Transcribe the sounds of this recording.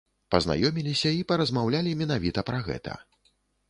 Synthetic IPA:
pɐzna̰jɔmʲilʲisʲɐipɐɾɐzmawlʲalʲimʲɛnavʲit̪ɐpɾɐɣɛ̰t̪ɐ̰

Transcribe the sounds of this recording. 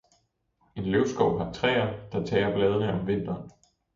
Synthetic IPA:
e̝nløʊsɡ̥ɒʊ̰ɦɑ̈t͡sʰʁɛ̰ːɐd̥ɑ̈t͡sʰɛ̰ːɐb̥lɛːð̞ˠənəɒ̽mʋe̝n̰d̥ɐn

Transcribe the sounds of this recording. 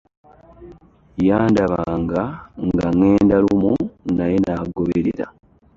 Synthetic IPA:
jaːndaβaːŋɡaŋɡaneːndalumunaje̞naːɡoβeɾḛɾa̰

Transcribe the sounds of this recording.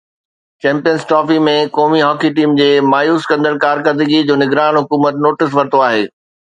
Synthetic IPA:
t͡ɕɛ̃ːmpijənsʈɔːfimẽkɔːmiɦɔːkʰiʈiːmd͡ʑeːmaːjuːskɐ̃nd̪əɽkaːɾkəɾd̪ɪɡid͡ʑoːnɪɡɾaːnɦʊkuːmət̪noːʈɪs̬ʋɐɾt̪oaːɦeː

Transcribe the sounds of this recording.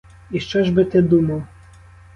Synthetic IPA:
iʃt͡ʃɔʒbɨt̪ɪd̪umɐwˠ

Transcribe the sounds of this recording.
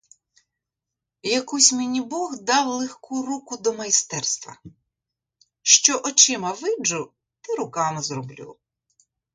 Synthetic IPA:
jɐkusʲmɪnʲibɔɣd̪ɑwlˠexkurukʊd̪ɔmɐjst̪ɛrst̪ʋɐ̰ | ʃt͡ʃɔʔɔt͡ʃɪmɐʋɪd͡ʒʊ | t̪ɪɾʊkɑmɪzrɔblʲṵ

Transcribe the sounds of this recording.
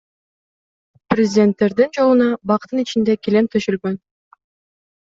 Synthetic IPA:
prʲɪzʲɪdʲe̞nt̪ːe̞ɾd̪ind͡ʒo̞lˠunɑbɑqt̪ːɯnit͡ʃind̪e̞kʲilemt̪ʰyʃylɡøn

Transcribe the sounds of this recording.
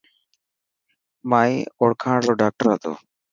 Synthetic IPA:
majɔɽkʰaːloɖak̚ʈaɾat̪o̰

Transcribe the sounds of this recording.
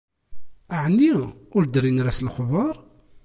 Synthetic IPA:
aʕnːiʊɾd̪ɾinɾæslxvɑɾˤ

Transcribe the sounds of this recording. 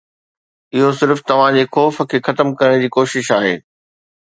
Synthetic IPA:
ɪɦosɪɾft̪ɐʋ̤ãd͡ʑeːxɔːfə̆kʰeːxɐt̪əmkɐɾəɽ̃d͡ʑiːkoːʃɪʃaːɦḛː

